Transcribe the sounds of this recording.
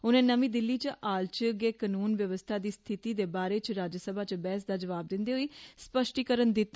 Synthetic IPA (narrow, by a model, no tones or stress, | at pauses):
ʊnẽːnəmĩːd̪ɪlːiːt͡ʃʔaːlt͡ʃəɡeːkənuːnʋjəʋəst̪ʰaːd̪iːst̪ʰɪt̪iːd̪eːbaːɾeːt͡ʃɾaːd͡ʒəsəbʱaːt͡ʃbɛːsd̪aːd͡ʒəʋaːb̚d̪ɪnd̪eːɦoiːspəʃʈiːkəɾənd̪ɪt̪ː